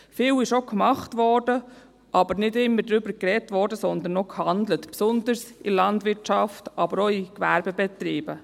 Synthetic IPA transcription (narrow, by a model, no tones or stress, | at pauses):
fiːwɪʃokmɑχtʋɔɾdə | ʔɑbəɾnɪdɪmːəɾdɾʏbəɾkɾɛtʋɔɾdəsɔnd̪ənːokhɑndlətpsɔndəɾsɪlɑndʋɪɾtt͡ʃɑftɑbəɾoikʋæɾbɛbɛtɾiːbə